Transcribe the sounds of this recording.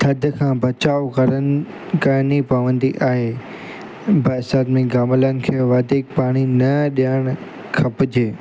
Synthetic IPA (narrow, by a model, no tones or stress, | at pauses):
t̪ʰɐd̪ʱkʰãːbɐt͡ɕaːokɐɾən | kɐɾnipɐʋə̃nd̪iʔaːɦeː | bɐsaːd̪mĩɡaːmlənɪ̆kʰeːʋaːd̪ʱiːk̚paːɽ̃inɐɗijaɽ̃ | kʰɐpɪd͡ʑeː